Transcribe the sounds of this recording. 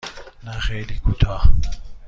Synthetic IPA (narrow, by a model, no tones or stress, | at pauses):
naɣɛlikutʰa